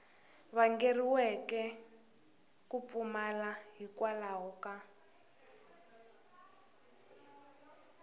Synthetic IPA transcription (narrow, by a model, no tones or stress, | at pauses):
βaŋɡeriwɛkɛ | kup̪fumalaɦikwalaɦɔka